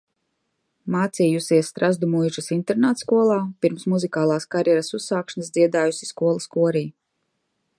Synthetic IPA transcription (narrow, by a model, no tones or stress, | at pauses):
maːt̪siːjusiɛsːt̪ɾazd̪umujʒɨsint̪ɛɾnaːt̪skuɔlˠaːpiɾmsmuzikaːlˠaːskaɾjɛɾasusːaːkʃnasd̪ziɛd̪aːjusi̥skuɔlˠaskuɔɾiː